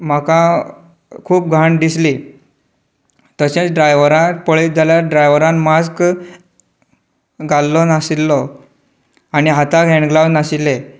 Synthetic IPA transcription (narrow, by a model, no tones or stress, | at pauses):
m̤akã | kʰuːp̚ɡʱaɳd̪isli | t̪ət͡ɕẽt͡sɖɾajʋɾãpəɭit̪̚d͡zʱaljaɾɖɾajʋəɾãnmask | ɡalːɔnasilːɔ | añiɦat̪ãkɦɛ̃ɳɡlawnasile